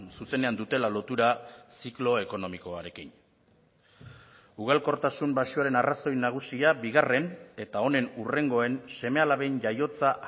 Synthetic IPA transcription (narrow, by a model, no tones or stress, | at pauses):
suse̞ne̞and̪ut̪e̞lalo̞t̪uɾasiklo̞e̞ko̞no̞miko̞aɾe̞kin | uɣ̞alko̞ɾt̪asumbaʃuaɾe̞naraso̞jnaɣ̞usiabiɣ̞are̞ne̞t̪ao̞ne̞nure̞ŋɡo̞e̞nse̞me̞alaβe̞nʎajo̞t͡sa